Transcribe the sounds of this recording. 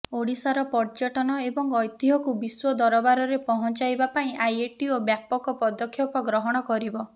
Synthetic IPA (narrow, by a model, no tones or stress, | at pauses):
oɽisaɾɔpɔɾt͡ʃɔʈɔnɔebɔŋɔjt̪iɦɔkubiswɔd̪ɔɾɔbaɾɔɾepɔɦɔnt͡ʃajbapaĩʔajeʈiobjapɔkɔpɔd̪ɔkʰːjɔpɔɡɾɔɦɔɽ̃ɔkɔɾibɔ